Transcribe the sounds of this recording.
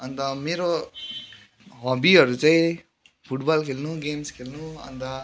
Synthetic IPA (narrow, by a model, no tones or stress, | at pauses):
ʌnt̪ʌmeɾo | ɦʌbiʌɾut͡saĩ | pʰuʈbʌlkʰelnuɡemskʰelnuʌ̰nt̪ʌ